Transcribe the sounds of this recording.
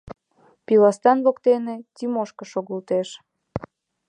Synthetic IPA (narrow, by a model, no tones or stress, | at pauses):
pilɑst̪ɑnβokt̪enetʲimoʃkəʃoɣəlt̪eʃ